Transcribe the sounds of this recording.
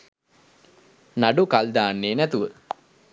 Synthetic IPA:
naɖukald̪aːnːeːnæt̪uʋə

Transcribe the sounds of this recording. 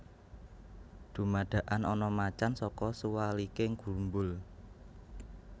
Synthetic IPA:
d̪̥ṳmaɖ̥ä̤ʔanɔnɔmat͡ʃansɔkɔsuwalikɪŋɡ̥umbʊl

